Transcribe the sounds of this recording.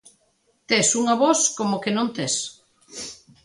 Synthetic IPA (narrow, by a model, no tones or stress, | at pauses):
t̪esuŋaβɔskomokenõnt̪es